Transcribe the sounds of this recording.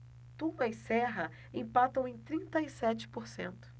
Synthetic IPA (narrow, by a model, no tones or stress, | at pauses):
t̪ũmɐisɛɦɐ | ẽpat̪ɐ̃w̃ẽj̃t̪ɾĩnt̪ɐisɛt͡ʃɪ̥poɾsḛ̃nt̪ʊ̥